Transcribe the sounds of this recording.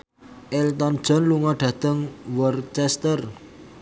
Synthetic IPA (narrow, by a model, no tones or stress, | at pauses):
ɛlt̪ɔn̥d͡ʒ̥ɔ̤nluŋaɖ̥a̤t̪əŋwərt͡ʃɛst̪ər